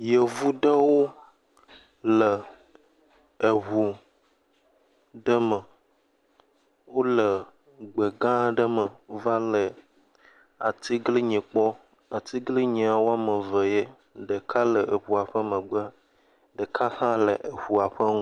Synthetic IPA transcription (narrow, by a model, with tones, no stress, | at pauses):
je˨vu˦ɖə˦wo˦ | lə˨ | ɦu˨ | ɖə˦mə˨ | wo˦lə˨ | ɡ͡bə˨ɡã˦ɖə˦mə˨va˦lə˨ | a˨t̪i˦ɡli˦ɲẽ˨k͡pɔ˦ | a˨t̪i˦ɡli˦ɲẽ˨a˨wo˦a˦mə̃˨və˨je˦ | ɖə˨kʰa˦lə˨e˨ɸu˨a˨ɸə˦mə̃˨ɡ͡bə˦a˦ | ɖə˨kʰa˦hã˦lə˨ʔe˨ɸu˨a˨ɸə˦ŋũ˦